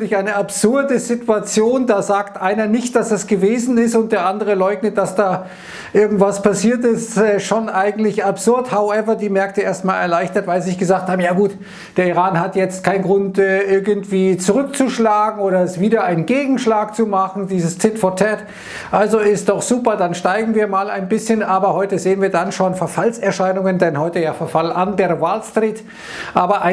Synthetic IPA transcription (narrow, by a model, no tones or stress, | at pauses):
lɪçaɪnəapz̥ʊɐdəzɪtuat͡sjoːndaːzaːktʔaɪnɐnɪçt̚d̥asd̥asɡ̥əveːzn̩ɪstʊnt̚d̥eːɐʔandəʁ̞əlɔʏɡnət̚d̥asd̥aː | ʔɪɐɡŋ̩tv̥aspʰasiːɐtɪstɛːʃonʔaɪɡŋ̩tlɪçapz̥ʊɐthaʊʔɛvɐdiːmɛɐk̚təʔeːɐstmaːlɛɐlaɪçtɐtv̥aɪlzɪçɡ̥əzaːk̚thaːbm̩jaːɡuːt | d̥eːɐiʁaːnhatjɛt͡stkʰaɪnɡʁʊntɛːʔɪɐɡən̩tv̥iːt͡suʁʏk̚t͡suʃlaːɡŋ̩oːɾɐɪstv̥iːdɐaɪnnɡeːɡŋ̩ʃlaːkt͡sumaχn̩diːzəst͡sɪtfɔtʰɛt | ʔalzoɪst̚d̥ɔχz̥uːpɐdanʃtaɪɡŋ̩viːɐmaːla̰ɪnbɪsçənʔaːbɐhɔʏtəzeːənviːɐdanʃoːnfɛɐfalsɛɐʃaɪnʊŋəndɛnhɔʏtəjaːfɛɐfalʔandeːɐɾvaːlstʁiːt | ʔaːbɐʔaɪ